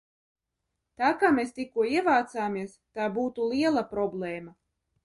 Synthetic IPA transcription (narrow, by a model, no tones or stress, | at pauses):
t̪aːkaːmest̪ikuɔiɛvaːt̪saːmiɛst̪aːbuːt̪ulˠiɛlˠapɾɔblˠeːma